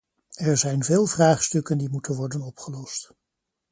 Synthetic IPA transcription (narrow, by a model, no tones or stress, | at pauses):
ɛɹzɛjnveːlˠvraːχstɵkəndimutənʋɔɹdənɔpχəlɔst